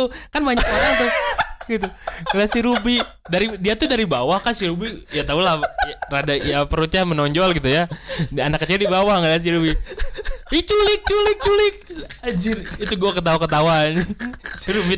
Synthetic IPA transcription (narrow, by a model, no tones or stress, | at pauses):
ʊkanbaɲak̚oɾaŋt̪ʊhɡit̪uŋəlasiɾubidaɾidiat̪udaɾibawahkansiɾubijat̪aulahɾadajapəɾut̪ɲamənɔɲd͡ʒɔlɡit̪ujadianakːət͡ʃirdibawahŋəlas̬iɾubi | it͡ʃulɪk̚t͡ʃulɪk̚t͡ʃulɪk̚ad͡ʒɪrit̪uɡuakət̪̬aukət̪̬awansiɾubi